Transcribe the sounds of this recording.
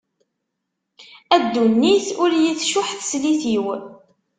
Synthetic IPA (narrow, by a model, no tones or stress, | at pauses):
æd̪ːunːiθʊɾjiθʃʊħθsliθiw